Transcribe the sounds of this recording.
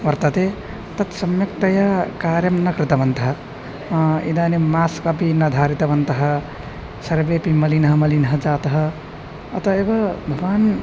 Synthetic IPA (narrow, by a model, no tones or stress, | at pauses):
ʋɐɾt̪ət̪e | t̪ɐt̪sɐmjɐk̚t̪ɐjakaɾjɐmnɐkɾit̪ɐbɐnt̪ɐɦə | ḭd̪anemaskəpinɐd̪ʱaɾit̪ɐbɐnt̪ɐɦʌ | sɐɾbepiməlinɦəməlinɦəd͡ʒat̪ɦʌː | t̪əebɐbʱɐʋan